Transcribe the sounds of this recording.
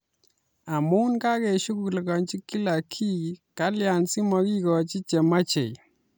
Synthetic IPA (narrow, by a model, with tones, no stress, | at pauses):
a˨mu˦nka˦kɛ˨ʃu˦ku˨lka˨ɲt͡ʃi˦kːi˦la˨kʰi˦ka˦lja˨nsi˦mɔ˦ki˦kɔ˨t͡ʃi˦t͡ʃe˨ma˦t͡ʃe˨